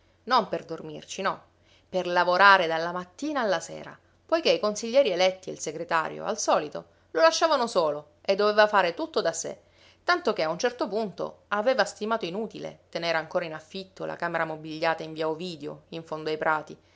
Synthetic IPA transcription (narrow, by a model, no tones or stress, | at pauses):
nomperd̪ormḭrt͡ʃinɔ | perlavoɾaːɾed̪alːamat̪ːiːnaːlːasɛ̰ːɾa̰ | pojkeikonsiʎːɛːɾielɛt̪ːiḛilseɡɾet̪a̰ːɾjo̰a̰lsɔːlit̪o̰ | lolaʃːaːvanosoːlo | ed̪ːovevafaːɾet̪ut̪ːod̪asḛ | t̪ant̪ok̟eaunt͡ʃɛrt̪opunt̪o̰aveːvast̪imaːt̪oinuːt̪ilḛt̪eneːɾaŋkoːɾainafːit̪ːola̰kaːmeɾamobiʎːaːt̪aiɱvjaoviːd̪eo̰iɱfond̪oajpɾʔaːt̪i